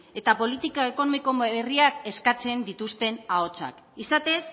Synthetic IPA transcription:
e̞t̪apo̞lit̪ikaeko̞nomiko̞eriake̞skat͡se̞nd̪it̪ust̪e̞nao̞t͡sa̰k | isat̪e̞s

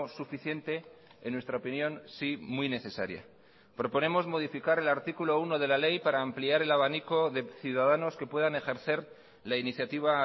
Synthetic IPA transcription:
sufiθje̞nt̪e̞ː | nːwe̞st̪ɾaopinjo̞nsimwijne̞θe̞saɾja̰ | pɾo̞po̞ne̞mo̞zmo̞ðifikaɾe̞laɾt̪ikulo̞uno̞ð̞e̞lale̞jpaɾaːmpliaɾe̞laβ̞aniko̞ðe̞θjuðaðano̞ske̞pwe̞ðane̞xe̞ɾθe̞ɾ | lainiθjat̪iβ̞a

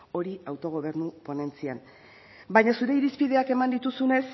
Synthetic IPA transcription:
o̞ɾiawt̪o̞ɣ̞o̞β̞e̞ɾnupo̞ne̞nt͡sian | bajɲasuɾe̞iɾispiðe̞ake̞mand̪it̪usune̞s

